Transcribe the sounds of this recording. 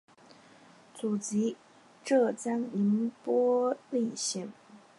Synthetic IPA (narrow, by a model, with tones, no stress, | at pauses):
t͡su˨˩t͡ɕi˧˥ | ʈ͡ʂɤ˥˩t͡sa˥ni˧˥npwɔ˥li˥˧ɕɛ˥˩ŋ